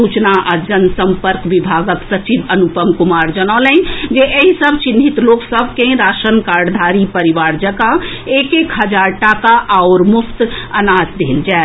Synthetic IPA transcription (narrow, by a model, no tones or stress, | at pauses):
ut͡ʃnaʔad͡ʒənsəmpəɾkʋibʱaːɡəksət͡ʃibənupəmkumaːɾd͡ʒənaːlɛ̃d͡ʒeʔeɦisəbʱt͡ʃinʱit̪loːksəbʱkẽɾaːʃənkaɾɽd̪ʱaːɾipəɾiʋaːɾd͡ʒəka | eːkekɦəd͡ʒaːɾʈakaʔaʊɾmʊpʰt̪anaːd͡ʒd̪ʱeːld͡ʒae